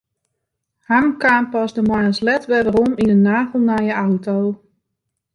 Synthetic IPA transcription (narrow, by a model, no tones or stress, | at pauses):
hamkaːmpɔsdəmwajəslɛtʋɛʋəɾɔminənaːɣəl̩ˠnajəawtow